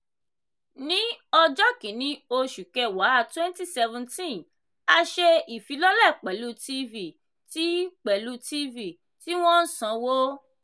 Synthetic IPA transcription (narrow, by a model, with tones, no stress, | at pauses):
nĩ˦ɔ˧d͡ʒɔ˦kĩ˨nĩ˦o˧ʃu˨kɛ˧˨wa˨˦a˧˨twɛ̃˦n˦ti˦˨sɛ˧vɛ̃˧ntĩ˦n | a˧ʃe˧i˨fi˨˦lɔ˦lɛ˦˨k͡pɛ˨lu˦ti˦vi˦˨ | ti˦k͡pɛ˨lu˦ti˦vi˦˨ | ti˦w̃ɔ̃˦n̩˦sã˧wo˦